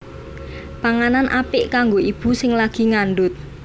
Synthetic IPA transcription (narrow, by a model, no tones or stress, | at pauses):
paŋananʔapɪʔkaŋɡoʔib̥ṳsɪŋlaɡ̥i̤ŋaɳɖʊt̪̚